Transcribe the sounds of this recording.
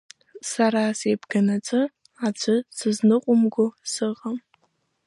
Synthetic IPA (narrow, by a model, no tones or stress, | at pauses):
saɾasejbɡanat͡sʼɨ | ad͡ʒʷɨsɨznɨqʷʼʊmɡʷʊsɨʁʼam